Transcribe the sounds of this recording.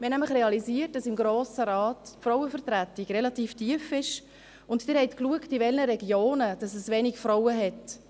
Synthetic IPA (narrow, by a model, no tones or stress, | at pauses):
mɛnæmləχɾɛɑlisiət̚dɑsɪmɡɾoːsəɾɑːtfɾɔwəfəɾtɾætːiɡrɛlɑtiːftiəfɪʃ | ʊntd̥ɪɾhɛɪtkluəktivɛlnəɾɛɡjoːnəd̥ɑsɛsvɛnɪkfɾɔwəɦɛt